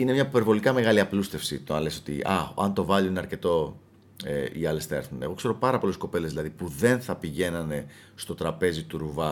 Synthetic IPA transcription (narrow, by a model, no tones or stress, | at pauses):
ine̞mɲɐpe̞ɾvo̞likɐme̞ɣɐliɐplust̪e̞fsḭt̪oɐnleso̞t̪ḭʔɐ̰ɐ̰nt̪o̞vɐʎuninɐɾce̞t̪o̞ | eiɐle̞sθɐeɾθune̞ɣo̞kse̞ɾo̞pɐɾɐpo̞lesko̞pe̞le̞zðilɐðipuðe̞nθɐpiʝe̞nɐne̞ | st̪o̞t̪ɾɐpe̞zit̪uɾuvɐ